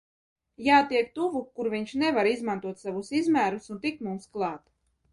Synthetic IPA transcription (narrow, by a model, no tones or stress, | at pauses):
jaːt̪iɛkt̪uvukuɾviɲʃnɛvaɾizmant̪uɔt̪savusizmæːɾusunt̪ikmumsklˠɑːt̪